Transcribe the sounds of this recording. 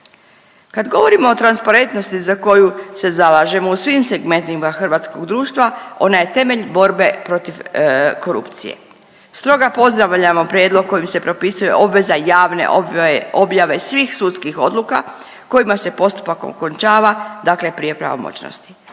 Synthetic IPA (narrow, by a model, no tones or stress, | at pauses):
kad̪ɡo̞ʋo̞ɾimo̞ːt̪ɾanspaɾe̞nt̪no̞st̪izako̞juse̞zalaʒe̞mousʋimse̞ɡme̞nt̪imaxr̩ʋat̪sko̞ɡd̪ɾuːʃt̪ʋao̞̰naje̞t̪e̞me̞ʎbo̞ɾbe̞pɾo̞t̪ifko̞ɾṵpt̪sḭjḛ | st̪ɾo̞ɡapo̞zd̪ɾaʋʎamo̞pɾjed̪lˠo̞ɡ̚kːo̞jimse̞pɾo̞pisuje̞̰ʔo̞bʋe̞zajaːʋnḛʔobjaʋe̞sʋixsut̪skixo̞d̪luka̰ | ko̞jimase̞po̞st̪u̥pako̰kont͡ʃaːʋad̪akle̞pɾije̞pɾa̰ʋo̰mo̰t͡ɕno̰st̪i̥